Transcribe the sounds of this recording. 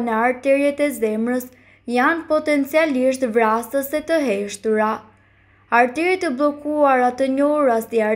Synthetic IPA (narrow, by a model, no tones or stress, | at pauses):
nɛaɾt̪ɛɾɛt̪ɛzɛmɾəs | janpɔt̪ɛnt͡sialiʃt̪vɾasəsɛt̪əɦɛʃt̪uɾa | aɾt̪ɛɾit̪əblˠɔkuaɾat̪əɲɔɾasia